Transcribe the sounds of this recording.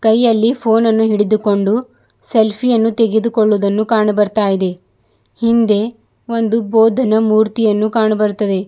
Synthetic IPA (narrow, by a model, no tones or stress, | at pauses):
kɐjːɐlːipʰoːnɐnːuɦiɽed̪uko̞ɳɖu | selpʰijɐnːut̪eɡed̪ukoɭːud̪ɐnːukaːɳɐbɐɾt̪aːjid̪e̞ | hind̪e̞ | o̞nd̪uboːd̪ʱɐnɐmuːɾt̪ijɐnːukaːɳɐbɐɾut̪ːɐd̪e̞